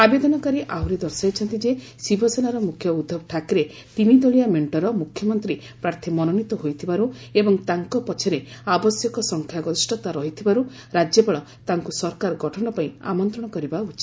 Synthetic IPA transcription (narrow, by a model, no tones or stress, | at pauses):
abed̪ɔnɔkaɾiʔaɦuɾid̪ɔɾsajt͡ʃʰɔnt̪id͡ʒe | sibʱɔsenaɾɔmukʰjɔud̪ʱːɔbʈʰakɾe | t̪imid̪ɔɭijameɳʈɔɾɔmukʰjɔmɔnt̪ɾi | pɾaɾt̪ʰimɔnɔnit̪ɔɦojt̪ʰibaɾu | ebɔŋt̪aŋkɔpɔt͡ʃʰɔɾeabɔsjɔkɔsɔŋkʰjaɡɔɾisʈʰɔt̪aɾɔɦit̪ʰibaɾu | ɾad͡ʒjɔbɔɭɔ | t̪aŋkusɔɾkaɾɡɔʈʰɔɽ̃ɔpaĩa̰mɔnt̪ɾɔɽ̃ɔkɔɾibaut͡ʃʰi